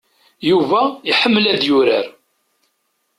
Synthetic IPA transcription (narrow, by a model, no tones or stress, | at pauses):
juvæiħəmːəlæðjʊɾəɾ